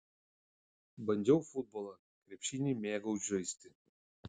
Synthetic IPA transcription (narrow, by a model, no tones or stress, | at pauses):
bɐnʲd͡ʒ̪ʲɛʊfʊd̪̚bɔːlˠɐ | kɾʲɛpʲʃʲinʲiːmʲeːɡɐʊʒʲɐɪsʲt̪ʲɪ